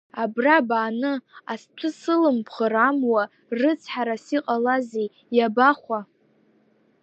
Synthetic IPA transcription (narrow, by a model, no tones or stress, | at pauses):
abrabaːnɨastʷʰɨsɨlɨmpʰχəɾamwa | rɨt͡sʰħaɾasiqʼalazej | jabaχʷa